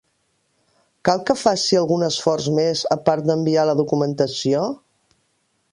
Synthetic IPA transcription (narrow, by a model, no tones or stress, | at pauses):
kalˠkəfasiəlˠɣunəsfɔrzmezəpaɾt̪̚d̪əmbialəðukumənt̪əsio